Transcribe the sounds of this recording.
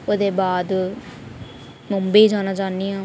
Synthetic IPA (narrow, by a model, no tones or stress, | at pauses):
od̪ebaːd̪ | mombeid͡ʒaːnad͡ʒaːniɦã